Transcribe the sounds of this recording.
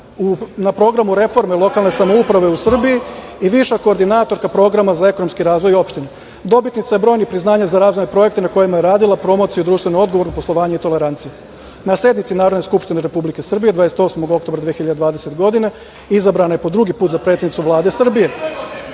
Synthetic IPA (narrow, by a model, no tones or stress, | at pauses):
unapɾo̞ɡɾamuɾe̞fo̞ɾmelˠo̞kalˠne̞samo̞upɾaʋe̞usr̩bijiiʋiʃako̞ːɾd̪inaːt̪o̞ɾkapɾo̞ɡɾamazae̞ko̞nomskiɾaːzʋo̞jo̞pʃt̪ine | d̪o̞bit̪nit̪saje̞bɾo̞ːjnipɾiznaːɲazaɾaːzʋojnepɾo̞je̞kt̪enako̞jimajeɾaːd̪ilˠapɾo̞mo̞t̪sijud̪ɾuːʃt̪ʋe̞noo̞d̪ɡo̞ʋo̞ɾnopo̞slˠo̞ʋaːɲeit̪o̞le̞ɾant̪sije | nase̞d̪nit̪sinaːɾod̪ne̞skupʃt̪ineɾe̞publike̞sr̩bijed̪ʋad̪ese̥t̪o̞smo̞ɡo̞k̚t̪obɾad̪ʋeeçiʎad̪ed̪ʋaːd̪e̞set̪ɡo̞d̪ine | izabɾanaje̞po̞d̪ɾuɡipuːt̪zapɾe̞t̪ʲed̪nit̪uʋlˠaːd̪e̞sr̩bije̞